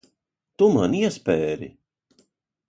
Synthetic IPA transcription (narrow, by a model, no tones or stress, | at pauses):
t̪umaniɛspɛːɾḭ